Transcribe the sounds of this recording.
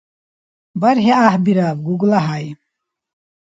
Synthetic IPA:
baɾɦeahbiɾabɡuɡlaɦaj

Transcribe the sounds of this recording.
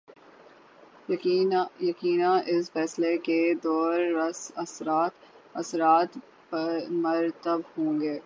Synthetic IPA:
jɐkiːnãʔɪsfɛːsleked̪ɔːɾːɐsɐsɾaːt̪ | ɐsɾaːt̪ | pɐɾmɐɾt̪əbhõːŋɡeː

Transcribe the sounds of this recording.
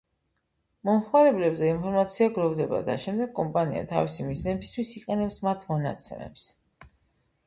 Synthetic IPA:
mɔmχmaɾɛblɛbzɛinpʰɔɾmat̪sʰiaɡɾɔvd̪ɛba̰d̪a̰ʃɛmd̪ɛɡkʼɔmpʼania̰t̪ʰa̰visimiznɛbist̪ʰwisiqʼɛnɛpsmat̪ʰmɔna̰t̪sʰɛ̰mɛ̰ps

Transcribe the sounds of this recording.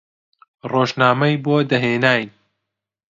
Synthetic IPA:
roːʒnaːmɐjbod̪ɐɦeːnaːjn

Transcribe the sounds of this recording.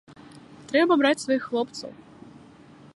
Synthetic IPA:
t̪ɾɛbɐbɾat͡sʲsvɐjixːlˠɔpt̪sɐ̰w

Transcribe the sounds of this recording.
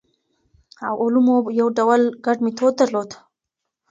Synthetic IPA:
awʔʊlumojawɖawalɡaɖmit̪ʰod̪̚ːaɾlod̪

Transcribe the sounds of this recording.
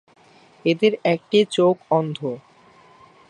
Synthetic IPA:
ed̪eɾɛk̚ʈit͡ɕokɔnd̪ʱo

